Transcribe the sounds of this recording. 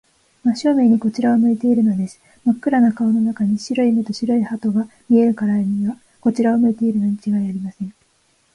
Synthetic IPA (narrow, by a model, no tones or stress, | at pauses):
maɕo̞ːme̞ɲ̟iko̞t͡ɕiɾaomɯ̟it̪e̞iɾɯ̟no̞d̪e̞sɨ̥ | makːɯ̟ɾanakao̞no̞nakaɲ̟iɕiɾo̞imet̪o̞ɕiɾo̞ihat̪o̞ɡamʲie̞ɾɯ̟kaɾaiɲiβa | ko̞t͡ɕiɾaomɯ̟it̪e̞iɾɯ̟no̞ɲ̟it͡ɕiɡaiaɾʲimasẽ̞ɴ